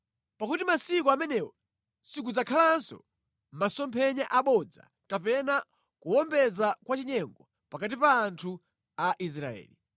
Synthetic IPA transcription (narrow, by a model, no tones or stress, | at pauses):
pakutimasik̬ɔamɛnɛwɔ | sik̬ud͡zakʰalansɔ̰ | masɔmpʰɛɲaʔaɓɔd͡za̰ | kapɛna | kuwɔmbɛd͡zakwat͡ʃiɲɛŋɡɔ | pakat̬ipaːntʰu | aʔis̬ɾaɛ̰ːli